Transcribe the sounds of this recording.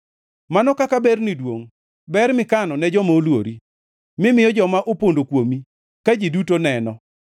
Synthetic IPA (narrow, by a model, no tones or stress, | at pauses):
manɔkakabɛrnidwoŋ | bɛɾmɪkanɔnɛd͡ʒɔmaolwo̰ɾi | mɪmɪjɔd͡ʒɔmaʔopondokwomi | kad͡ʒidutonɛnɔ